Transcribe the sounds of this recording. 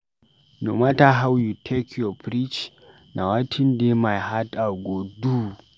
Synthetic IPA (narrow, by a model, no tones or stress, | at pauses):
numataɦawjutʰɛkʰopɾit͡ʃ | nʔawatʰindemajhataɡodu